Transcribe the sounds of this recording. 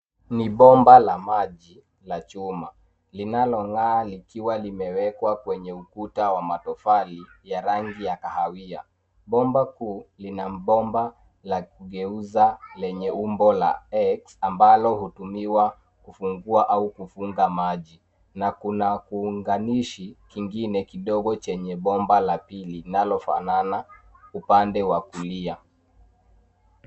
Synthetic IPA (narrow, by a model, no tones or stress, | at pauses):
niɓɔmbalamaʄi | lat͡ʃuma | linalɔŋaːlikiwalimɛwɛkwakwɛɲɛukutawamatɔfalijaɾaŋɡijakahawia̰ | ɓɔmbakuːlinamɓɔmba | lakuɠɛuzalɛɲɛumbɔla̰ɛksambalɔhutumiwa | kufuŋɡuaʔaukufuŋɡamaʄi | nakunakuːŋɡaniʃikiŋɡinɛkiɗɔɠɔt͡ʃɛɲɛɓɔmbalapilinalɔfa̰nanaupandɛwakulia